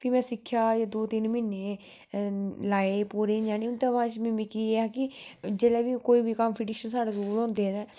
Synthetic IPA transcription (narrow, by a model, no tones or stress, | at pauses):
pimɛ̃ːsɪkʰːjaːjaːd̪oːt̪ɪnmɪnːeː | laːeːpuːɾeːd͡ʒaːniʊnt̪ãʋãːt͡ʃmĩmikiːaːkɪd͡ʒɛːlɛːbiːkoːiːbiːkəmpʰɪʈiːʃənsaːɽezuːɾõːnd̪eːɛd̪ɛː